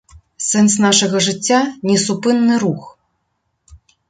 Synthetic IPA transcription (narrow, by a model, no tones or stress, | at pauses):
sɛns̬nɑʃɤ̆ɣɤ̆ʐɨ̆tʲːɑnʲesupɨnːɨɾux